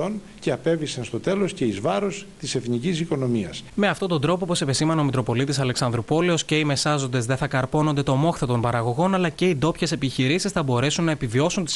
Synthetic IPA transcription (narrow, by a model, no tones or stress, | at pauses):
on | ceɐpe̞visɐnst̪o̞t̪e̞lo̞sce̞izvɐɾost̪ise̞θnicisiko̞no̞miɐsme̞ɐft̪o̞t̪o̞nd̪ɾo̞popo̞se̞pisimɐne̞omik̪ɾo̞po̞lit̪isɐle̞ksɐnd̪ɾupo̞leo̞sce̞ime̞sɐzo̞nd̪e̞zðe̞θɐkɐɾpo̞nond̪e̞t̪o̞mo̞xθet̪o̞mpɐɾɐɣo̞ɣo̞nɐlɐce̞id̪o̞pçe̞se̞piçiɾisisθɐbo̞ɾe̞sunːɐepivio̞sunt̪is